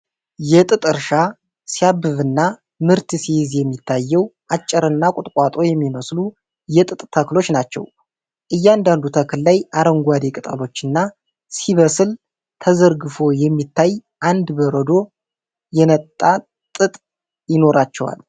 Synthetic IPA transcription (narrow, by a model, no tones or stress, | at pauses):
jɛt̪ʼɨt̪ʼɨɾʃa | sijabːɨβɨnːa | mɨɾt̪sihzjɛmːit̪ʰːajːɛwʔat͡ʃʼːɨɾɨnːakʼʊt̪ʼkʼat̪ʼo̞jɛmːiməslu | jɛt̪ʼɨt̪ʼt̪ʰəklo̞t͡ʃːnat͡ʃːɛ̰w | ʔɨjːɛand̪and̪ut̪ʰəkʰɨlːajaɾəŋɡʷad̪ekʼɨt̪ʼə̰lo̞t͡ʃːɨnːa | siβəsɨl | t̪ʰəzəɾɡɨfo̞jɛmːit̪ʰːajʔand̪bəɾəd̪o̞ | jɛnət̪ʼːa | t̪ʼɨt̪ʼ | jɪno̞ɾat͡ʃːɛwa̰l